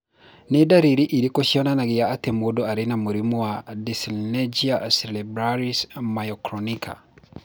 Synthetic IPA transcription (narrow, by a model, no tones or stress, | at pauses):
nedaɾiɾiʔiɾikoʃiɔnanaɡijaːtemodɔaɾenamuɾimɔwadisilnɛd͡ʒiaselibɾaɾismajɔkɾɔnikʰa̰